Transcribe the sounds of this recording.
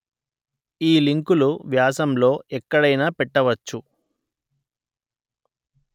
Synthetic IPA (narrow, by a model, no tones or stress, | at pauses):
iːliŋkuluʋjaːsɐmlo̞ːʔɛkːɐɽɐjnaːpɛʈːɐʋɐt͡ʃːu